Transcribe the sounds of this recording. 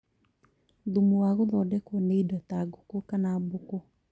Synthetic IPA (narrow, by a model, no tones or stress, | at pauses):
ðumuwaɣoðɔdɛkɔneidɔtaɡokokanaboko